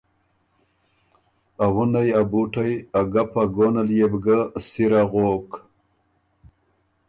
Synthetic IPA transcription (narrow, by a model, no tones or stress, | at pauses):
awunajabuʈajaɡapaɡoːnaljebɡasiɾaɣoːk